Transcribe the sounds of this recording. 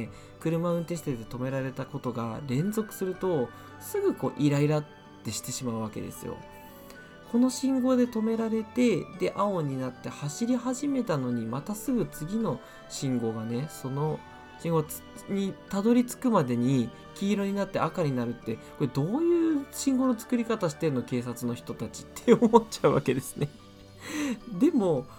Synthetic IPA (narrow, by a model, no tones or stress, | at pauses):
e | kɯ̟ɾɯ̟maɯ̟̃nt̪eɕ̬si̥t̪ed̪e̞t̪o̞me̞ɾaɾe̞t̪ako̞t̪o̞ɡa̰ɾẽ̞nd͡zo̞kɯ̟̥sɨɾɯ̟t̪o̞ | sɨɡɯ̟ko̞ːʔiɾaiɾat̪ːe̞ɕi̥t̪e̞ɕimaɯ̟βake̞̰d̪e̞̰sɨ̰jo̰ | ko̞no̞ɕĩŋɡo̞d̪e̞t̪o̞me̞ɾaɾe̞t̪e̞d̪e̞ʔao̞ɲ̟inat̪ːe̞haɕiɾʲiɦaʑime̞t̪ano̞ɲ̟imat̪asɨɡɯ̟t͡sɨɡʲino̞ | ɕĩŋɡo̞ɡane̞so̞no̞ | ɕĩŋɡot͡s | ɲ̟it̪ad̪o̞ɾʲit͡sɨ̥kɯ̟mad̪e̞ɲ̟i | kʲiːɾo̞ɲ̟inat̪ːe̞akaɲ̟inaɾɯ̟t̪ːe̞ko̞ɾe̞d̪o̞ːjɯ̟ːɕĩŋɡo̞no̞t͡sɨ̥kɯ̟ɾʲikat̪aɕi̥t̪e̞ɯno̞ke̞ːs̬at͡sɨno̞çi̥t̪o̞t̪at͡ɕi̥t̪ːeomot͡ɕaɯ̟βa̰ke̞d̪e̞sɨ̥ne̞ | d̪e̞mo̞